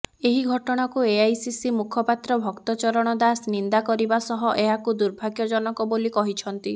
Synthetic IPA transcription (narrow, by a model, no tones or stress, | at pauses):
eɦiɡʱɔʈɔɽ̃akueajsisimukʰɔpat̪ɾɔbʱɔkt̪ɔt͡ʃɔɾɔɽ̃ɔd̪asnind̪akɔɾibasɔɦɔʔeɦakud̪uɾbʱaɡjɔd͡ʒɔnɔkɔbolikɔɦit͡ʃʰɔnt̪i